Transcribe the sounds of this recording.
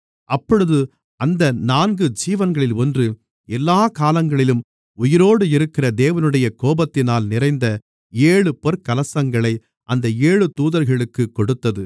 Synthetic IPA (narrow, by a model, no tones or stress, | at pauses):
ʔɐpːɔɻɯðɯ | ɐnd̪ɐnaːnɡɯd͡ʒiːʋɐnɡɐɭɪlɔndrɯ | ɛlːaːkaːlɐŋɡɐɭɪlɯm | ʊjɪɾoːɽɯɪɾɯkːɪrɐd̪eːʋɐnɯɽɐjɐkoːbɐt̪ːɪnaːlnɪrɐɪnd̪ɐ | eːɭɯpɔɾkɐlɐsɐŋɡɐɭɐɪ | ʔɐnd̪ɐeːɻɯt̪uːðɐɾɣɐɭɯkːɯkːɔɽɯt̪ːɐðɯ